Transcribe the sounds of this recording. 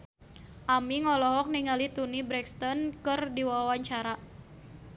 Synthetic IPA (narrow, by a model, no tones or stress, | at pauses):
ʔamiŋɔlɔɦɔk̚niŋalit̪unibɾɛkst̪ɔnkɨrdiwawaɲt͡ʃaɾa